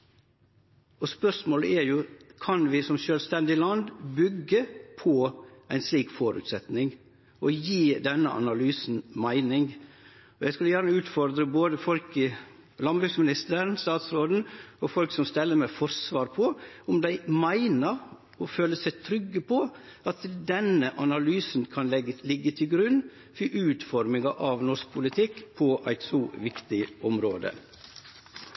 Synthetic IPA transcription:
ɔspœsmoːlə̰ʔɛɾjʊkʰɑnʋɪsɔmʃøːlst̪ɛnd̪ɪlɑnd̪bʏɡːəpʰɔæɪnsliːkfoːɾʉ̰ːt̪sɛt̪nɪŋ | ɔjiːd̪ɛnːə̰ʔɑ̰nɑlyːsn̩mæɪnɪŋ | ɔjæɪskʉlːəjæːɾnəʉːt̪fɔɾd̪ɾəboːd̪əfɔlkɪ | lɑnbɾʉksmɪnɪst̪əɾənst̪ɑːt̪sɾoːd̪n̩ɔfɔlksɔmst̪ɛlːəɾmæɪfɔɾsʋɑːɾpʰɔʊmd̪æɪmæɪnəɾ | ɔføːləsæɪt̪ʰɾʏɡːəpʰɔɑt̪d̪ɛnəʔɑnɑlyːsn̩kʰɑnɛlɪɡːət̪ʰɪlɡɾʉn | fiʔʉːt̪fɔɾmɪŋɑʔɑʋnɔsk̚pʰʊlɪt̪ʰɪkːpʰɔʔæɪt̪sɔʋɪkt̪ɪɔmɾoːd̪ə̰

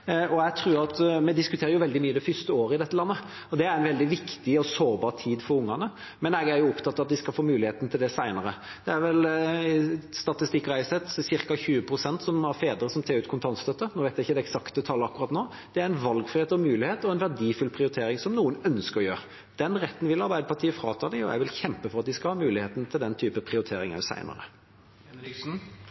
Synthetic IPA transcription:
ɔæt̪ʰɾʉːɾɑt̪mɛd̪ɪskʉt̪ʰeːɾəjʊʋɛld̪ɪmyːəd̪ɛfʏst̪əoːɾəɪd̪ɛt̪ːəlɑnːə | ɔd̪ɛæɾɛnʋɛld̪ɪʋɪkt̪ɪɔsoːbɑːʁt̪ʰiːd̪fɔɾʊŋːɑnə | mɛnɛɡæɾjʊɔpt̪ʰɑt̪ːɑʋɑt̪ʋɪskɑlfoːmʉːlɪheːt̪n̩t̪ʰɪld̪ɛsæɪnəɾə | d̪̥ɛæɾʋɛl | st̪ɑt̪ɪst̪ɪkːɾæɪsɛt̪sɪɾkɑçʉːəpʰɾʊsɛnt̪sɔmæɾfeːd̪əɾəsɔmt̪ʰɑːɾʉːt̪̚kʰʊnt̪ʰɑnst̪œt̪ːənoːʋæɪt̪jæɪçːəd̪ɛɛksɑkt̪ət̪ʰɑlːəɑkːɾʁɑːt̪noː | d̪̥ɛæɾɪnʋɑlɡfʁɪheːt̪ɔmʉːlɪheːt̪ɔɛnʋæʁdiːfʉlpʰʁɪʊɾɪt̪ʰeːɾɪŋsɔmnuːənœnskəɾɔjøːʁ | d̪̥ɛnʁɛt̪ːənʋɪlɑɾbæɪd̪əpʰɑʈ̪ʰiːəfɾɑːt̪ʰɑd̪ɪɔ̰jæ̰ɡʋɪlçɛmpəfɔʁɑt̪̚d̪ɪskɑlhɑːmʉːlɪheːt̪n̩t̪ʰɪld̪ɛnt̪ʰyːpəpʰɾɪʊɾɪt̪ʰeːɾɪŋɑ̰sæ̰ɪnə̰ɾə̰

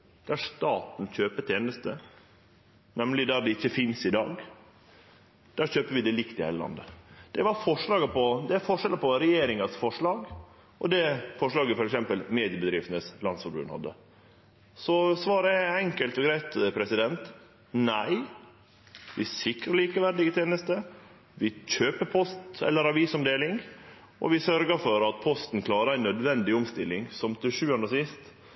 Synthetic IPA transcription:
d̪̥æɾʂt̪ɑːt̪n̩çøːpət̪ʰeːnəst̪ə | nɛmlɪd̪æɾɖ̪ɛɪçːəfɪnsɪd̪ɑ̰ːɡ | d̪̥æɾçøːpəʋɪd̪ɛlɪkt̪ɪhḛːləlɑ̰nd̪əd̪̥ɛʋɑɾfɔʂɭɑːɡəpʰɔd̪ɛfɔʂɛləpɔɾɛjeːɾɪŋɑsfɔʂɭɑːɡ | ʔɔd̪ɛfɔʂɭɑːɡəfɔɾɛksɛmpəlmeːd̪ɪəbəd̪ɾɪft̪ənəslɑnsfɔɾbʉ̰ːnhɑ̰d̪ːə̰ | sɔsʋɑːɾəɛɛŋkəlt̪ɔɡɾæɪt̪pʰɾɛsɪd̪ɛnt̪ | næɪ | ʋɪsɪkɾəɭiːkəʋæɾɖ̪ɪɡət̪ʰjeːnəst̪ə | ʋɪc͡çøːpəpʰɔst̪ɛ̰lːəɾɑʋiːsɔmd̪eːlɪŋ | ʔɔ̰ʋɪsœɾɡəɾfɔɾɑt̪̚pʰɔst̪n̩kʰlɑːɾəæɪnœd̪ʋɛnd̪ɪɔmst̪ɪlːɪŋsɔmt̪ʰɪlʂʉːɑnd̪əɔsɪst̪

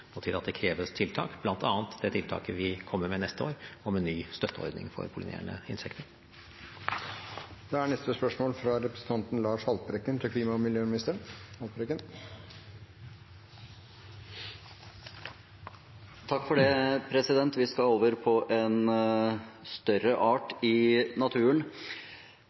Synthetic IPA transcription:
ɔt̪ʰɪːɾɑt̪d̪ɛkʰɾeːʋəst̪ʰɪlt̪ʰɑ̰ːkb̥lɑnt̪ʰɑːnt̪d̪ɛt̪ʰɪlt̪ʰɑ̰ːkəʋɪkʰɔmːəɾmɛnɛst̪əo̰ːɾɔmɛnːyːst̪œt̪ʰːəɔ̰ɾd̪nɪ̰ŋfɔ̰ɾpʰʊlɪ̰nʔḛːɳə̰ɪnsʰɛkt̪əɾ | d̪̥ɛæɳɛst̪əspœʂmoːlfɾɑɾɛpɾəsən̩t̪ʰɑnt̪n̩lɑːʂhɑlt̪̚bɾɛkːənt̪ʰɪkʰliːmɑmɪljøːmɪnɪst̪əɳhɑlt̪ɾɛkːən | t̪ʰɑkːfɔɖeːpʰɾɛsɪd̪ɛnt̪ʋɪskɑoːʋəɾpʰɔʔɛn | st̪œɾəʔɑːʈɪnɑt̪ʰʉːən

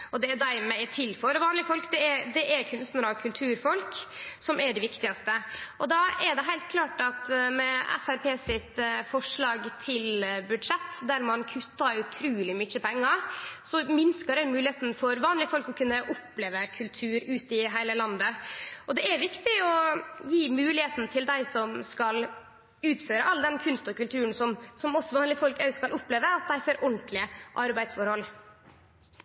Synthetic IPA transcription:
ɔd̪ɛæd̪æɾmɛæt̪ʰɪlføɾəʋɑːnlɪfɔlkd̪ɛɛɾd̪ɛʔæɾkʰʉnst̪nɾɑːkʰʉlt̪ʰʉːɾfɔlksɔmæɖɛʋɪkt̪ɪɡɑst̪əʔɔd̪ɑːɛɖɛɦæɪlt̪̚kʰlɑːʈɑt̪mɛɛ̰fæɾpʰeːsɪt̪fɔʂɭɑːɡt̪ʰɪlbʉd̪ʂɛt̪ːd̪æɾmɑnkʰʉt̪ːɑʉt̪ʰɾʉːlɪmʏçəpʰɛŋːɑsɔmɪnskɑɾæmʉːlɪeːt̪nfɔɾʋɑːnlɪəfɔlkɔkʰʉnːəʔʊpleːʋəkʰʉlt̪ʰʉːɾʉːt̪ɪɦæɪləlɑnd̪əʔɔd̪ɛæɾʋɪkt̪ɪɔjiːmʉːlɪheːt̪nt̪ʰɪld̪æɪsɔmskɑl | ʉːt̪føːɾəʔɑlːd̪ɛnkʰʉnst̪ɔkʉlt̪ʰʉːnsɔmsɔmɔsːɔʋɑːnlɪfɔlkæʉskɑlʊpːleːʋəɑt̪̚d̪æɪfɔɾʔɔɳt̪lɪəʔɑɾbæɪ̥sfɔɾhɔl

